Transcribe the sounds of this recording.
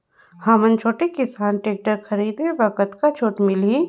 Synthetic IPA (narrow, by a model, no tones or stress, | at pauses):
hɐmənt͡ʃʰoːʈekɪsaːnʈeːk̚ʈəɾxɐɾiːd̪eʋɐkət̪kat͡ʃʰoːʈmɪlĩ